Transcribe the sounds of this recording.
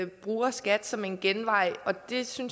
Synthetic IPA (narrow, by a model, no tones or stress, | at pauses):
b̥ʁuːɐsɡ̥æd̥sɒ̽me̝nɡ̥enʋɑ̈ɪ̰ɒ̽d̥e̝syn